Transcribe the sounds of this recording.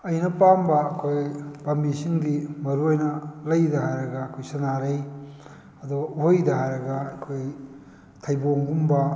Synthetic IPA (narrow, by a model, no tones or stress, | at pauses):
ɐjnɐpambɐːkʰojb̥ambisiŋdimɐɾuɐjnɐlɐjdɐhajɾɐɡɐːkʰojsɐnaɾɐj | ɐduuɦojdɐhajɾɐɡɐɐkʰoj | tʰɐjboŋɡumbɐ